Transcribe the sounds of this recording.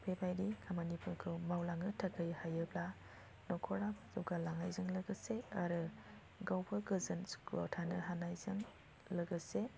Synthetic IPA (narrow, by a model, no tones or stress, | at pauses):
pʰebajdikʰamanipʰɯkʰɯmawlaŋɯtʰakʰɯjhajɯbla | nɔkʰɔɾakzuɡalaŋajzɯŋlɐɡɯseaɾɯ | ɡawpʰɯɡɯzɯnskʰɔ̰tʰanɯɦanajzɯŋ | lɐɡɯse